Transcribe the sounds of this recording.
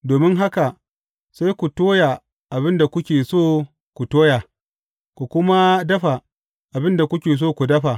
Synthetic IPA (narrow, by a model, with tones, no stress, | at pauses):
doː˨mɪ˦ŋɦa˦ka˨ | sa˦jkʷu˨toː˦ja˨ | ʔa˨bɪ˦nda˨kʷʊ˦kʲeː˨soː˦ | kʷu˨toː˦ja˨ | kʷu˨kʷʊ˦ma˦dɐ˦ɸa˨ | ʔa˨bɪ˦nda˨kʷʊ˦kʲeː˨s̬oː˦˨kʷu˨dɐ˦ɸa˨